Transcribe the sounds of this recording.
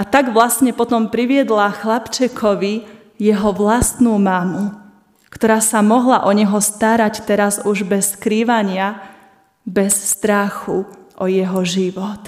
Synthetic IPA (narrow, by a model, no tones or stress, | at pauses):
at̪aɡʋlast̪ɲɛpɔt̪ɔmpɾiʋɪɛd̪laxlapt͡ʃɛkʰɔʋi | jɛɦɔʋlast̪nuːmamu | kt̪ɔɾaːsamɔɦlaʔɔɲɛɦɔst̪aɾact̪ɛɾazuʒbɛsːkɾiːʋaɲɪa | bɛsst̪ɾaxuʔɔjɛɦɔʒiʋɔt̪